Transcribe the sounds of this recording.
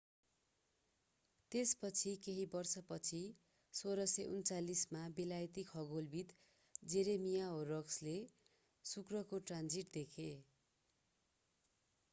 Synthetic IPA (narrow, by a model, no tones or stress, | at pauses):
t̪espʌt͡sʰikeɦibʌrsʌpʌt͡sʰi | soɾʌseʔunt͡salismabelajt̪ikɦʌɡolbit̪ | d͡zeɾemijaorʌksle | sukrʌkoʈrand͡ziʈd̪ekʰe